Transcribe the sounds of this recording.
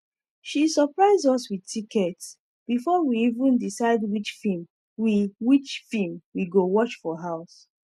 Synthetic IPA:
ʃisɔpɹaɪzɔswiðtʰikɛts | b̥ifɔwiivə̃ndisaɪdwit͡ʃfim | wiwit͡ʃfĩmwiɡowɔt͡ʃfɔɦaʊs

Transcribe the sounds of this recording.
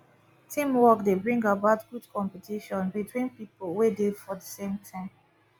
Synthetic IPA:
tʰĩmwɔkdebɹĩŋɡabaʊtɡudkʰɔ̃mpɛtiʃɔ̃nbitʰwĩnpipolwedefɔdəsẽmtʰãɪ̃m

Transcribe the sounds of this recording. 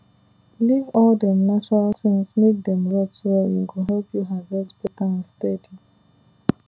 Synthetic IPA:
livɔldɛ̃mnat͡ʃɔɹaltɪ̃ŋsmek̚d̪ɛ̃mɹɛtɛjṵɡoɦɛlpjuɦavd͡ʒɛsb̥ɔtãstɛdi

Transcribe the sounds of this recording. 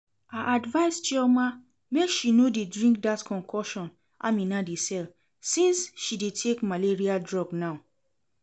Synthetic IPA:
aʔadvaɪst͡ʃɛma | mekʃinodedɹĩŋk̚datkʰɔ̃ŋkʰɔʃɔ̃n | ʔa̰mĩnadesɛl | sĩnsʃidetʰekmaleɹiadɹɔɡnaʊ

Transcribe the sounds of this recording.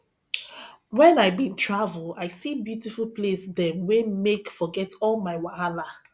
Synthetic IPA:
wɛ̃naɪbintʰɹavulˠaɪsibjutifulˠplesðɛ̃mwemekfɔɡɛtʰɔlmaɪwaala

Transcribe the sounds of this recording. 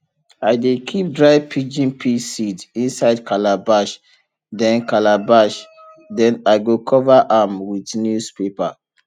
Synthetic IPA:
aɪdekʰip̚dɹaɪvpʰid͡ʒĩnpʰisidĩnsaɪdkʰalabaʃ | dɛ̃nkalabaʃ | dɛ̃naɪɡokʰɔvaʔamwidnjuspepa

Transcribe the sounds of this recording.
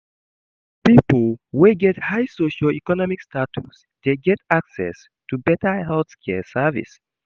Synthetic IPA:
piplweɡɛthaɪsoʃəlikɔnɔmikstatʰuts | d̥eɡɛtaksɛ̰s | tubɛtəhɛlθskʰɛsɛvḭs

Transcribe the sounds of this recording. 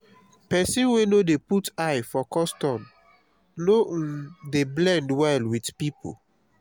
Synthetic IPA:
pɛsĩnwenodeputaɪfɔkɔstɔ̃m | nodeblɛ̃ndwɛlwidpipṵ

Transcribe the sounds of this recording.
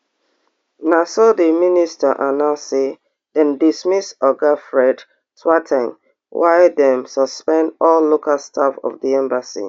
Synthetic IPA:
nasɔdəministaʔanãse | d̥ɛ̃ndismisɔɡafɹɛd | swatʰɛ̃ŋ | wʔaɪdɛ̃msɔspɛ̃ndɔlːokalstʰafɔ̰vdiɛ̃mbasḭ

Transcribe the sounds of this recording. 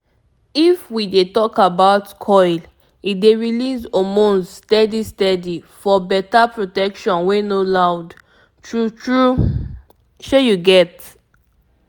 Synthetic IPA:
ifwidetɔkabaʊtkʰɔɪl | ideɹilisomõnsstɛdistɛdifɔbɛtapɹotɛkʃɔ̃nwenolaʊd | tɹutɹu | ʃejuɡɛt

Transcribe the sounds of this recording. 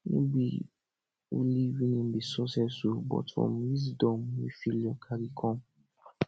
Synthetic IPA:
nĩbi | o̰liwinĩm̩bisɔsɛsobɔ̰tɔ̰m̃is̬dɔ̃mĩfilɔkʰaɾikʰɔ̃

